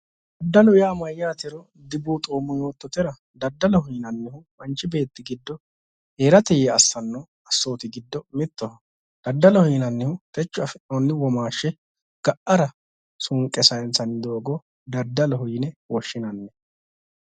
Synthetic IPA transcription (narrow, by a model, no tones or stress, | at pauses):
d̪̥ɐd̪ːɐlʊjaːmɐjːaːt̪ɪɾɔ | d̪ɪbuːt̪ʼoːmːɔjoːt̪ːɔt̪ɪɾɐ | d̪ɐd̪ːɐlɔhʊjɪnɐnːɪhʊ | ɐnt͡ʃʼːɪbe̞ːt̪ːɪɡɪd̪ːɔ | heːɾɐt̪ɛjɛɐsːɐnːɔ | ɐsːo̞ːt̪ɪɡɪd̪ːɔmɪt̪ːɔʊ | d̪̥ɐd̪ːɐlɔhijnɐnːɪhʊt̪ɛt͡ʃːʊɐfɪonːɪwɔmaːʃːɛ | ɡ̥ɐʔɐɾɐ | sʊŋkʼːɛsɐjnsɐnɪd̪o̞ːɡɔ | d̪ɐd̪ːɐlɔɦʊjɪnɛwɔʃːɪnɐnːɛ